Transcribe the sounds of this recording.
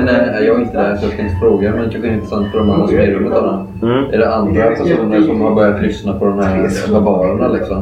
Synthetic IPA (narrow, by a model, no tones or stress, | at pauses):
nɛæjɑːɡaɡɪnt̪əd̪ɛsɔd̪ɛfɪnsfɾoːɡamɛnɪk̪ʰaɧɪɪnt̪ːɾəsant̪fʰɔɖɔmand̪ɾaspɛɡɾəmət̪ala | ʔæɖɛand̪ɾapʰæʂuːnəɾʂɔmhaɾbœɾjat̪lʏsnapʰɔd̪ɔmhæɾlabɑːɾaɳalɪksɔm